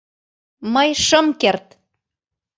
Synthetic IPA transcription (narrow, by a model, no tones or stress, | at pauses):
mɤjʃɤ̆mkert̪